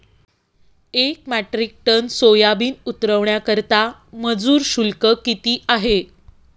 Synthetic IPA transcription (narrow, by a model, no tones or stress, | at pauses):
ek̚mæʈɾik̚ʈənsojabiːnut̪ɾəʋɳjakəɾt̪aməd͡zuːɾɕulkəkit̪iːʔaɦe